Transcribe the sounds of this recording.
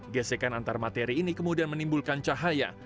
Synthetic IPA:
ɡɛsekanant̪armat̪eɾiːnikəmudianmənimbulkant͡ʃaɦaja̰

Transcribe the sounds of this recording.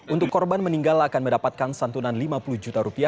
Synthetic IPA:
ʔunt̪ʊkːɔrbanməniŋɡalakanməndapat̪̚kansant̪unanlimapuluhd͡ʒut̪aɾupia

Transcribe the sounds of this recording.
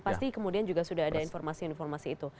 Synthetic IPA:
past̪ikəmudiand͡ʒuɡasudaɦadainfɔrmasinnfɔrmasiːt̪u

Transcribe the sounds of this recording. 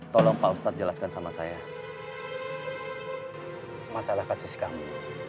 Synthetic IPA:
t̪ɔlɔŋpaust̪at̪̚d͡ʒəlaskansamasaja | masalahkasʊskamu

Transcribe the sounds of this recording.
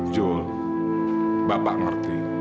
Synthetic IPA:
d͡ʒɔl | bapa̰ʔŋərt̪i

